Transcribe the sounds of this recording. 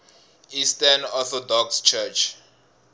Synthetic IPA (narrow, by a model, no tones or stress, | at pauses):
istanɔθɔdɔkst͡ʃʰɛt͡ʃ